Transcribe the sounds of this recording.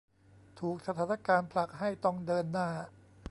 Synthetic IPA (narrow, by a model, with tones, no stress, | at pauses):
t̪ʰuː˨˩k̚sa˧t̪ʰaː˩˦na˥˧kaː˧npʰla˨˩k̚ha˥˩jt̪ɔ˥˩ŋdɤː˧nːaː˥˩